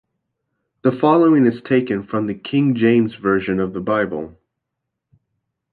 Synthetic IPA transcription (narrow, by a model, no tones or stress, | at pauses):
ðəfɑlˠoʊɪ̃ŋɨz̥tʰeɪkɨ̃nfɹʌ̃mðɨkʰɪ̃ŋd͡ʒẽɪ̃mzvɜ˞ʒɨ̃nʌvðəbaɪbəl̩ˠ